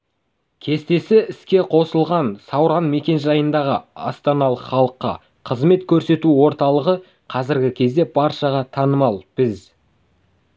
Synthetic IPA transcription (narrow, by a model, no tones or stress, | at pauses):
kʲʰe̞st̪e̞sɪɪskʲe̞qʰo̞səlˠʁɑnsɑwɾɑnme̞kʲe̞nʒɑjənd̪ɑʁəɑ̰st̪ɑnɑlˠəqχɑlˠəqːɑ̰ | qʰəzme̞t̪kʲʰɵɾse̞t̪uwo̞ɾt̪ɑlˠəʁə | qʰɑzɪɾɡʲɪkʲʰe̞zd̪e̞pʰɑɾʃɑʁɑt̪ʰɑnəmɑlˠb̥ɪz